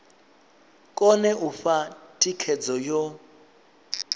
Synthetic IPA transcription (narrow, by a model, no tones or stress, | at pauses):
kʼɔnɛʔufatʼikʰɛd͡zɔjɔ